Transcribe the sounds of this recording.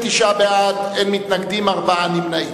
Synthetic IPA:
t̪iʃabead̪emːit̪naɡd̪imaʁbaanimnai

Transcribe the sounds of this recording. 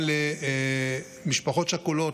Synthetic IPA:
le | miʃpaχo̞tʃakulo

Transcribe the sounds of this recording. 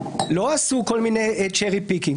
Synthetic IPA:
loasukolmineet͡ʃɛʁipikiŋ

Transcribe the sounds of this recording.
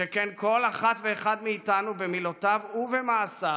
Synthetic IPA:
ekenko̞laχatve̞ːχad̪miːtanubemilotavuvemaːsa

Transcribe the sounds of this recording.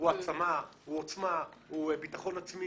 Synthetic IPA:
uat͡samauot͡smauebitaχo̞nat͡smi

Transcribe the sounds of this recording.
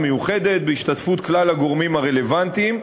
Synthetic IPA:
mejuχe̞d̪e̞t̪̚beiʃt̪atfut̪klalaɡo̞ʁmimaʁe̞le̞vant̪im

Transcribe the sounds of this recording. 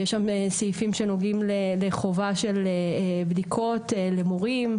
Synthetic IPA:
jeʃːamesiifimʃenoɡimleleχo̞vaʃe̞lebdikʰo̞t̪elemoʁim

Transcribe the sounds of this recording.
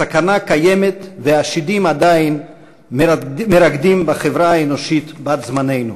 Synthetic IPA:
sakanakajemet̪veaʃid̪imad̪ain | meɾaɡd̪imbaχevɾaaenoʃit̪bat̪zmane̞jnu

